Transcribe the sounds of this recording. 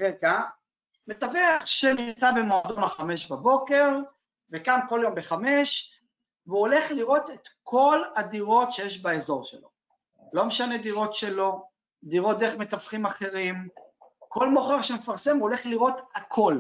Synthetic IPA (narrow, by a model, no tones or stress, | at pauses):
ʁeɡa | met̪aveaχʃenimt͡sabe̞moad̪o̞naχame̞ʃbabo̞ke̞ʁ | vekanko̞ljo̞mbeχame̞ʃ | veuole̞χliʁo̞t̪et̪kʰo̞lad̪iʁo̞tʃe̞jeʃbaezo̞ʁʃḛlo̞̰ | lo̞meʃane̞d̪iʁo̞tʃe̞lo̞ | d̪iʁo̞t̚d̪eχme̞t̪afχimaχe̞ʁimko̞lmo̞χeʁʃeme̞faʁsemuole̞χliʁo̞t̪akʰo̞l